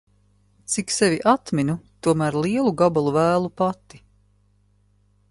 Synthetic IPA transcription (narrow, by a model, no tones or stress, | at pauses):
t̪siksevʲiʔat̪minut̪uɔmæːɾliɛlˠuɡabalˠuvæːlˠupat̪i̥